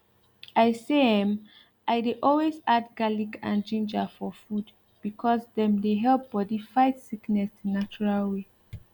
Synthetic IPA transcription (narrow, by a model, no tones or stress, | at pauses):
ʔaɪseɛ̃m | ʔaɪdeʔɔlwezadɡalikʰã̰nd͡ʒĩnd͡ʒəfɔfud | b̥ikʰɔsðɛ̃mdeɦɛlp̚bɔdifaɪtsiknɛsnat͡ʃuɹalwe